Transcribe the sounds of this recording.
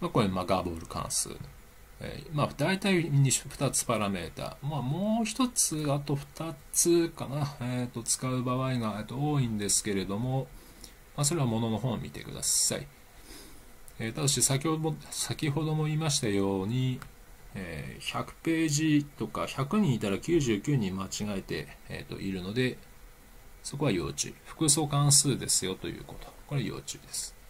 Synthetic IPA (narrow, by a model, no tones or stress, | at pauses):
makoemaɡa̰bo̞ːɾɯ̟kã̰ɰ̃sɨ̰ː | ḛːmad̪̥ait̪aimʲiɲːiɸ̟t̪at͡sɨ̥paɾame̞̰ːt̪a̰ːmamo̞ːçi̥t̪o̞t͡sɨat̪o̞ɸɯ̥t̪at͡sɨkanaet̪ːo̞t͡sɨ̥kaɯ̟baβaiɡaet̪ːooːĩnd̪e̞sɨ̥ke̞ɾe̞d̪o̞mo̞ | mas̬o̞ɾe̞βamo̞no̞no̞ɦo̞ːmʲit̪e̞̰kɯ̟d̪a̰sːa̰ḭ | et̪ad̪oɕisakʲihosakʲiɦo̞d̪o̞mo̞imaɕi̥t̪ajo̞ːɲ̟i | ḛːçakɯ̟̥pe̞ːʑit̪o̞kaçakɯ̟ɲ̟ĩit̪aɾakʲɨːʑɨːkʲɨːɲ̟ĩmːat͡ɕiɡaet̪e̞̰ḛt̪ːo̞̰ʔiɾɯ̟no̞d̪e̞ | so̞ko̞βajo̞̰ːt͡ɕɨ̰ːɸɯ̟̥kɯ̟so̞kãɰ̃sɨːd̪e̞sɨjo̞t̪o̞̰jɯ̟̰ːko̞t̪o̞̥ko̞ɾeajo̞̰ːt͡ɕɨ̰ːd̪e̞sɨ̥